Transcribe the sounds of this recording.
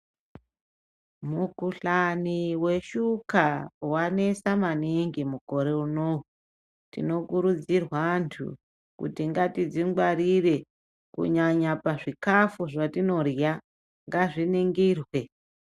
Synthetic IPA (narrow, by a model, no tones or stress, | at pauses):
mukuɬaniwe̞ʃukawane̞samaniŋɡimuko̞ɾe̞unou | tḭno̞kuɾud͡zirwantʰṵ | kṵtiŋɡatid͡ziŋɡwaɾire̞ | kṵɲaɲapaʐikafuʐatino̞rja | ŋɡaʐiniŋɡiːrwe